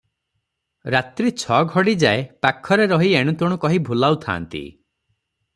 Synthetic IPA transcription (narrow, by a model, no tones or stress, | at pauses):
ɾat̪ɾit͡ʃʰɔɡʱɔɽid͡ʒaepakʰːɔɾeɾɔɦieɽ̃ut̪ɔɽ̃ukɔɦibʱulawt̪ʰa̰ːnt̪ḭ